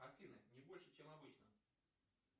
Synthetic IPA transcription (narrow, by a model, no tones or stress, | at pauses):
ɐrfʲinənʲɪbo̞lʲʂɨt͡ɕemɐbɨt͡ɕnə